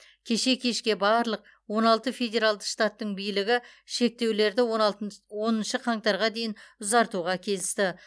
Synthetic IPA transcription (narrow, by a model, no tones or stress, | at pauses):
kʲʰe̞ʃe̞kʲʰe̞ʃkʲe̞bɑɾlˠəq̚ | wo̞nɑlˠt̪əfe̞dʲe̞ɾalˠd̪əʃt̪at̪ːəɴbijlɪɡʲɪʃe̞k̚t̪e̞wle̞ɾd̪ɪwo̞nənʃəqʰɑŋt̪ɑɾʁɑd̪e̞jɪnʊzɑɾt̪uʁɑkʲʰe̞lɪst̪ɪ